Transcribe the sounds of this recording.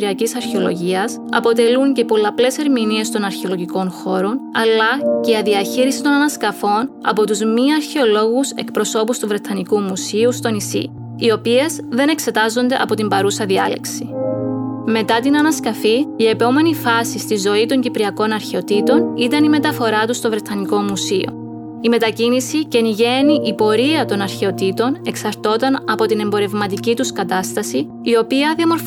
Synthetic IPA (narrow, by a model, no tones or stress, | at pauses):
ɾiɐcisɐɾçeo̞lo̞̰ʝiɐs | ɐ̰po̞t̪e̞luɲce̞po̞lɐple̞se̞ɾminie̞st̪o̞nɐɾçeo̞lo̞ʝiko̞nxo̞ɾo̞nɐ̰lːɐceɐðiɐçiɾisi̥t̪o̞nɐnɐskɐfo̞nɐ̰po̞t̪uzmiɐɾçe̞o̞lo̞ɣuse̞̰kpɾo̞so̞pust̪uvɾe̞t̪ʰɐnikumusiust̪o̞nisḭ | io̞pie̞z | ðe̞ne̞kse̞t̪ɐzo̞nd̪e̞ʔɐ̰po̞t̪imbɐɾusɐðiɐle̞̰ksi | me̞t̪ɐt̪inɐnɐskɐfiie̞po̞me̞nifɐsist̪izo̞it̪o̞ɲɟipɾiɐko̞nɐɾçeo̞t̪it̪o̞nit̪ɐnime̞t̪ɐfo̞ɾɐt̪ust̪o̞vɾe̞t̪ʰːɐniko̞musio̞̰ | ime̞t̪ɐcinisice̞niʝe̞niʔipo̞ɾiɐt̪o̞nɐɾçe̞o̞t̪it̪o̞ne̞ksɐɾt̪o̞t̪ɐnɐpo̞t̪ine̞mbo̞ɾe̞vmɐt̪icit̪uskɐt̪ɐst̪ɐsiː | o̞piɐðiɐmo̞ɾf